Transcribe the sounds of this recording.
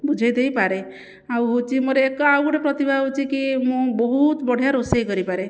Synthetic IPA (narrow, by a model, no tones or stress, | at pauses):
bud͡ʒʱajd̪ejpaɾe | awɦot͡ʃʰimoɾeːkɔawkɔɽepɾɔt̪ibʱaɦot͡ʃʰikimũbɔɦut̪bɔɽ̤ʱjaɾosejkɔɾipaɾe